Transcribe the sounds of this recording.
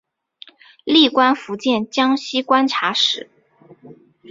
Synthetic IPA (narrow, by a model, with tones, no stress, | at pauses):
li˥˩kwa˥nfu˧˥t͡ɕjɛ˥˩nt͡ɕjɑ˥ŋɕi˥kwa˥nʈ͡ʂʰa˧˥ʂɻ̩˧˩˦